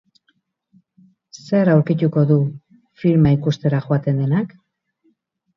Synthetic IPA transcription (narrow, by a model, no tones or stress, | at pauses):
se̞ɾawɾkit̪uko̞ðu | fiɾmaikust̪e̞ɾaʝoat̪e̞nd̪e̞nak